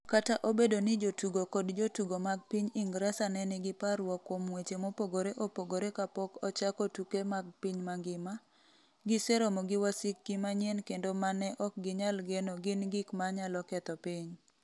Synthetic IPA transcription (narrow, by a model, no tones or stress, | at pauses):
kataʔobedonɪd͡ʒotuɡokɔdd͡ʒotuɡomaɡ̚piɲɪŋɡɾasanɛnɪɡɪpaɾwɔkːwomwet͡ʃemopoɡoɾeʔopoɡoɾekapɔkɔt͡ʃakɔtukemaɡ̚piɲmaŋɡɪma | ɡɪsɛɾomɔɡɪwasɪkːimaɲɛnkendomanɛʔɔk̚ɡɪɲalɡenɔɡɪnɡikmaɲalɔkɛt̪ɔpɪɲ